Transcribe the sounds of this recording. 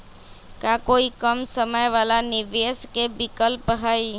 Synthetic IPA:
kakoːikəmsəməjʋaːlanɪʋeːskebɪkəlpɦəi

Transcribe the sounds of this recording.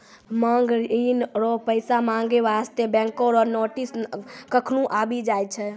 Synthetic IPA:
məŋɡɾinɾopəɪsamãŋɡeʋast̪ebɛ̃koɾɔɾnoʈiskəkʰnũʔabid͡ʒajt͡ʃʰɛ

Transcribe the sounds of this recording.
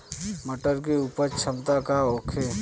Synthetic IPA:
məʈəɾk̬eupəɾt͡ʃʰəmt̪akaoːkʰe

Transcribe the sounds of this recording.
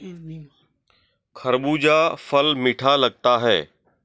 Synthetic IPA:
kʰɐɾɓud͡ʑaːfɐlmɪʈʰalɐɡ̚t̪aɦɛ̰ː

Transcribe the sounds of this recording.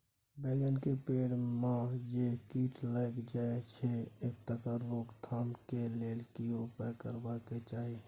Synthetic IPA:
beːɡənkepeːɽmãd͡ʒekiːʈləkd͡ʒaːet͡ʃʰeeːk̚t̪əkəɾːoːɡt̪ʰaːmkeleːlkiopəkəɾbaket͡ʃaːɦe

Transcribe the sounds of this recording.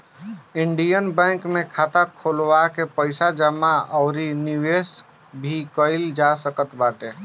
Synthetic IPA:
iɳɖijənbɛ̃kmekʰat̪akʰolwakepəɪsad͡ʒəmaəʊɾiniwes | bʱikəɪld͡ʒasəkət̪baʈe

